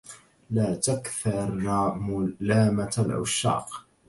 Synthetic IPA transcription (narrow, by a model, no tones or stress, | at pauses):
laːt̪akθɑɾˤmʊlaːmat̪alʔa̰ʃːɑ̰ːq